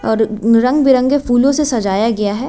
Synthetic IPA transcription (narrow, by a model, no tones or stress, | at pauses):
ɔːɾɾɐ̃ŋɡbɪɾə̃ŋɡefuːlõsesɐd͡ʒaːjaɡɐjaɦɛː